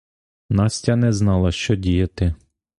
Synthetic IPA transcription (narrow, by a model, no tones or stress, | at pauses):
nɑsʲtʲɐnɛznɑlˠɐʃt͡ʃɔdʲijɐt̪ɪ